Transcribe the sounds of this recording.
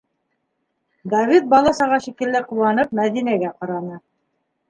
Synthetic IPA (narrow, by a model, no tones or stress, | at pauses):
d̪ɑvit̪̚bɑlˠɑsɑʁɑʃikɘ̆lːɘqulˠːɑnɤpmæðinæɡæqɑɾɑnɤ